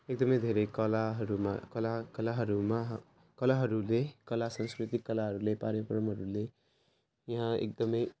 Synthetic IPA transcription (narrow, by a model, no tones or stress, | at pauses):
ek̚d̪ʌmʌjd̪ʱeɾekʌlaɦʌɾumakʌlakʌlaɦʌɾuma | kʌlaɦʌɾulekʌlasãnskrit̪ikːʌlaɦʌɾulepaɾjʌpɾʌmɦʌɾule | jʌɦãḛk̚d̪ʌmʌj